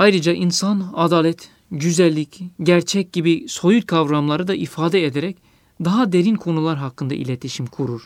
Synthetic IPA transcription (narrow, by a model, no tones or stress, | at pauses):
ajɾɯd͡ʒaʔinsanad̪aːlʲɛt̪ | ɟyzælʲːicɟæɾt͡ʃʰɛc̚ɟibiso̞jut̪kʰavɾamlˠaɾɯd̪aʔifaːd̪ɛed̪eɾɛc̚ | d̪aɦad̪e̞ɾinkʰo̞nulˠaɾɦakʰːɯnd̪a̰ʔḭlʲet̪ʰiʃimkʰuɾuɾ̥